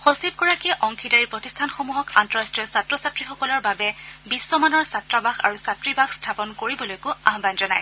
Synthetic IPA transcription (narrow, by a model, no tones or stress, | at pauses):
xosib̚ɡɔɹakɛʔɔŋkʰidaɹiɹpɹɔtistʰanxomuɦɔkantɔɹastɹiɔsatɹɔsatɹixɔkɔlɔɹbabɛbisːɔmanɔɹsatɹabaxa̰ɹusatɹibaxstʰapɔnkoɹibɔlojkʊaɦbanzɔnaj